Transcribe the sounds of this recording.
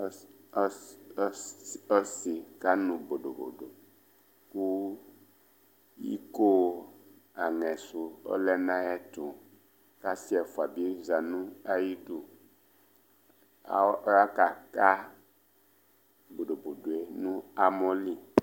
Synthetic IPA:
ɔ˦si˨ka˦nũ˨bo˨ɖo˨bo̰˨ɖo˨ | ku˦ | ḭ˦ko˦˨ | a˨ŋɛ̃˨su˨o̰˦lɛ˦nã˦jɛ˦t̪o˨ | ka˦si˦ɛ˨fo˨a˨bi˦e˦za˨nũ˦a˦ji˦do˨˦ | a˦ka˨ka˦ | bo˨ɖo˨bo˨ɖo˨e˦nũ˦a˨mɔ̃˦li˨

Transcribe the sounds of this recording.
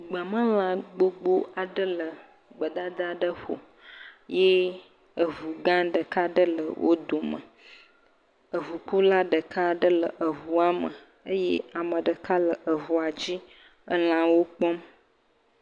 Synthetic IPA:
ɡ͡bə˨mə̃˦l̃ã˦ɡ͡bo˦ɡ͡bo˦a˨ɖə˦lə˨ | ɡ͡bə˨d̪a˦d̪a˦ɖə˦ɸo̰˨ | jɛ˦ | ə˨vu˨ɡã˦ɖə˨ka˦ɖə˦lə̰˨wʔo̰˦d̪o˨mə̰˨ | ə˨vu˨k͡pu˦la˦ɖə˨ka˦˨ɖə˦lə˨ʔə˨ɦu˨a˦mə˨ | ə˦jɛ˦a˨mə̃˨ɖə˨ka˦lə˨ʔə˨vu˨a˨d͡ʑi˦ | ə˦l̃ã˨wo˦k͡pɔ˦m

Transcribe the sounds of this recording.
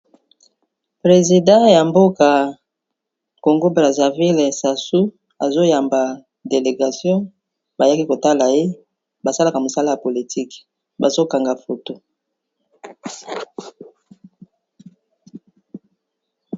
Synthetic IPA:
pʁe˨zi˨dã˦ja˨mbo˦ka˨ | ko˨ŋɡo˦bʁa˨za˨vi˦le˨sa˨su˦ | a˨zo˦ja˨mba˨ | de˨le˨ɡa˨sjɔ̃˦ | ba˨ja˦ki˦ko˨ta˦la˨je˦ | ba˨sa˦la˨ka˨mo˨sa˦la˦ja˨po˨li˨tʰi˦k | ba˨zo˦ka˨ŋɡa˨fo˨to˦

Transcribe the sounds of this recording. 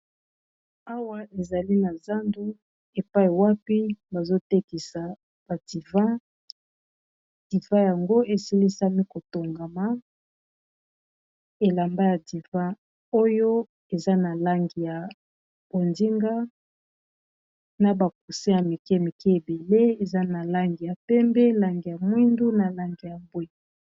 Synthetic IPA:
a˦wa˦ʔe˨za˨li˦na˨za˦ndu˦ | e˨pa˦i˨wa˦pi˦ba˨zo˦te˦ki˨sa˨ | b̥a˨di˨vã˦ | d̥i˨vã˦ja˨ŋɡo˦e˨si˦li˦sa˦mi˦ko˨to˨ŋɡa˨ma˨ | e˨la˨mba˦ja˨di˨vã˦ | o˦jo˦ | e˨za˦na˨la˦ŋɡi˨ja˨ | b̥o˨ndi˦ŋɡa˦ | na˨ba˨k̚u˨si˦ja˨mi˨kɛ˦˨mi˨ki˦e˨be˨le˦e˨za˦na˨la˦ŋɡi˨ja˨pɛ˦mbɛ˦la˨ŋɡi˨ja˨mwi˦ndu˦na˨la˦ŋɡi˨ja˨bwi˨

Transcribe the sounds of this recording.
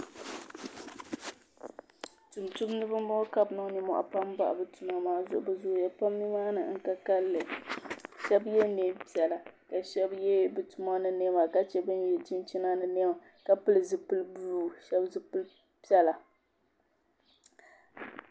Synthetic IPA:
tu˨mtu˦mnɨ˦bɨ˦m˦mɔ˦ka˦bnɔ˦ni˦mɔ̰˦ʔa̰˨pa˦mba̰˦˨ʔbɨ˦tu˨ma˨maː˦zʊ˨ʔʊ˨bɨ˦zʊ˦˨ja˨pa˦mːi˦maː˦nɨ̰˨ŋ̩˦ka˦ka˦lːɨ˨ | ʃɛ˦bjɛ˦ne˦pi˦ɛ˨la˨ka˨ʃɛ˦bjɛ˦bɨ˨tu˨ma˦nɨ˦ne˦ma˨ka˨t͡ʃɛ˨bɨ˦njɛ˨d͡ʒɪ˦nt͡ʃi˦na˦nɨ˨ne˦ma˨ | ka˦pɨ˦lɨ˨zɨ˨pɨ˦lbu˦˨ʃɛ˦bzɨ˦pɨ˦l | pi˦ɛ˦la˨

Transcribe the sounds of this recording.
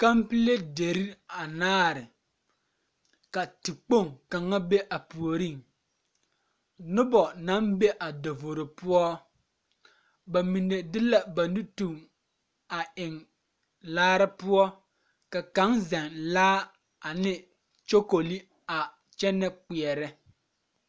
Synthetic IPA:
ka˦mpi˦le˦de˨ɾi˦a˨naː˦ɾɪ˨ | ka˨tɪ˨k͡po˦˨ŋka˨ŋa˦be˦ʔa˨pu˨o˨ɾi˦˨ŋ | nʊ˦bɔ˨na˨˦mbe˦ʔa˨do˨vo˨ɾo˨pʊ˦ɔ˦ | ba˨mi˨ne˨dɪ˦la˦ba˨nu˦tu˨ŋ | a˨ʔɪ˨ŋ | laː˦ɾɪ˦pʊ˦ɔ˦ | ka˨ka˨˦ŋzɛ˨ŋlaː˦ | a˨nɪ˦ | t͡ʃo˦ko˨li˦ | a˨ | t͡ʃɛ˦nɛ˦k͡pi˨ɛ˨ɾɛ˦

